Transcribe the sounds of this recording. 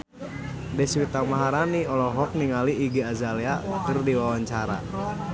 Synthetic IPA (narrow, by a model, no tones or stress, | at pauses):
dɛswit̪amaɦaɾaniɔlɔɦɔk̚niŋaliʔːɡiazaliakɨrdiwawaɲt͡ʃaɾa̰